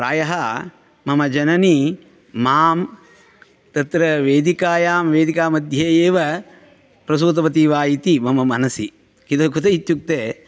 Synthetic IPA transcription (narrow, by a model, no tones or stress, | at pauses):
ɾaːjɐɦɐ | mɐmɐd͡ʒɐnɐni | maːm | t̪ɐt̪ɾɐʋeːd̪ikaːjaːmʋeːd̪ikaːmɐd̪ʱjeːeːʋɐ | pɾɐs̬uːt̪̬ɐʋɐt̪iːʋaːjit̪imɐmɐmɐnɐsi | kid̪ɐkut̪ɐjit̪juk̚t̪eː